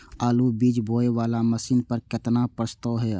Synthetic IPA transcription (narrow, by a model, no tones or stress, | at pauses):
aːlubiːd͡ʒbʱoːeʋaːlaməsiːnpəɾkɪt̪napɾəst̪əːɦɛː